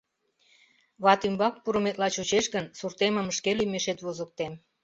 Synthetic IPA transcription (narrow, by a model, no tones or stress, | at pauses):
βɑt̪ymbɑk̚puɾəmet̪lɑt͡ɕut͡ɕeʃɣənsurt̪eməməʃkelymeʃet̪βozək̚t̪em